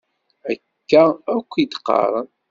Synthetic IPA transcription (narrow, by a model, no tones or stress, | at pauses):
ækːæækʷːid̪qːɑ̰ɾˤ